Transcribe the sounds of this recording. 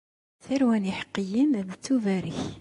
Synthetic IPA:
θæɾwæniħqːəjimðt͡s̪ːuvæɾiç

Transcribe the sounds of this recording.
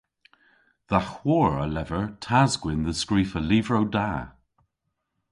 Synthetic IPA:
ðaxwɔːɹəlɛvəɹtʰazɡwɪnðəskɹiːfəliːvɹowda

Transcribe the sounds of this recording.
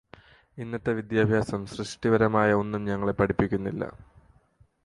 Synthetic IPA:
inːɐt̪ːe̞ʋid̪jaːbʱjaːsɐmsrɨʂʈiʋɐɾɐmaːjɐo̞nːumɲɐŋːɐɭepɐʈipːikʲːunːilːɐ̰

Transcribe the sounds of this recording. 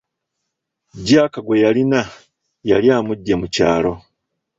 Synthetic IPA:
ɟaːkaɡwejalina | jaljaːmuɟːemuca̰ːlo̞

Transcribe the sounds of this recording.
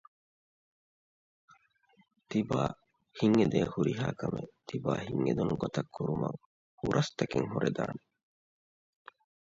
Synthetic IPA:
t̪ibaː | hiŋːed̪eːhuɾiɦaːkɐmet̪ʰibaːhiŋːed̪unuɡot̪ɐkʰːuɾumɐ̰ŋ | huɾʔɐst̪ɐkeŋhuɾʔed̪aːne

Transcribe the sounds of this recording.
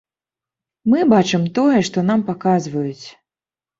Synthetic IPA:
mɨbat͡ʂɨmt̪ɔjɛʂt̪ɔn̪ampakazvɐjut͡sʲ

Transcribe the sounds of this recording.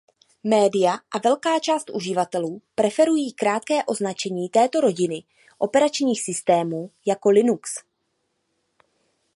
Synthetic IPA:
mɛːdɪjaʔavɛlkaːt͡ʃaːst̪ʔuʒɪvat̪ɛluːpɾɛfɛɾujiːkɾaːt̪̚kɛːʔo̞znat͡ʃɛɲiːt̪ɛːt̪o̞ɾo̞ɟɪnɪ | ʔo̞pɛɾat͡ʃɲiːxsɪst̪ɛːmuːjako̞lɪnuks

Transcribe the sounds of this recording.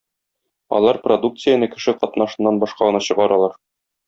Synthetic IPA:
ɒ̰lˠɑɾprod̪uk̚t̪sɨjənɤkɘ̥̆ʃɘqɒt̪nɑʃɤ̆nːɑnbɒʃqɑʁɤ̆nɑɕɤ̆ʁɑɾɑlˠɑɾ

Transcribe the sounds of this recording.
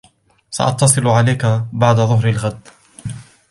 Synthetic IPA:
sa̰ʔɑ̰t̪ːɑsˤɨlʕalajkabaʕd̪aðˤʊɦɾalɣad̪

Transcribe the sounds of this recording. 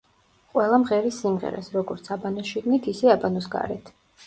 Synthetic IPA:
qʼwɛlˠamʁɛɾisːimʁɛ̰ɾa̰sɾɔɡɔɾt̪sʰabanɔsʃiɡ̪nit̪ʰisɛabanɔsɡa̰ɾɛt̪ʰ

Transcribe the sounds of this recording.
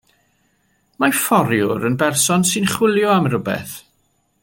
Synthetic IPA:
mafɔɾjʊɾənbɛrsɔnsɨnχwɪlˠjɔamɾʊbɛ̰θ

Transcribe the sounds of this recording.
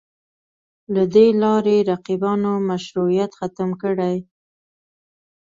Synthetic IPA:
lad̪elɑɾeɾaqibɑnomaʃɾuijat̪xat̪əmkəɽaj

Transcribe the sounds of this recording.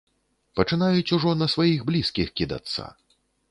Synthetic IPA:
pɐt͡ʂɨnajut͡sʲuʐɔnɐsvajiɣblʲiskʲixkʲid̪a̰t̪sa̰

